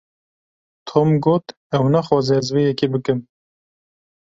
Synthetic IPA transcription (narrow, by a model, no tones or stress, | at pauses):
t̪ʰomɡoːt̪ | ɛwnæxɑːzɛɛzwejɛkibɨkɨm